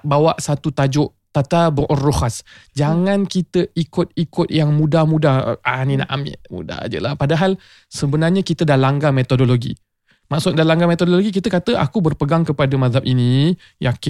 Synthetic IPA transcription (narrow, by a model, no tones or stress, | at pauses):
bawaʔsat̪ut̪ad͡ʒʊʔ | t̪at̪abəʔɔruxasd͡ʒaŋãnkit̪əikʊt̪̚ikʊt̪̚jaŋmũdamudahanina̰ʔa̰mɪ̰ʔmṵda̰d͡ʒə̰la̰hpadaɦal | səbənarɲakit̪ədahlaŋɡamɛt̪odoloɡḭ | maʔsʊk̚dalaŋɡamɛt̪odoloɡik̬it̪əkat̪əʔa̰kubərpəɡaŋkəpadəmat̪hap̚ini | jak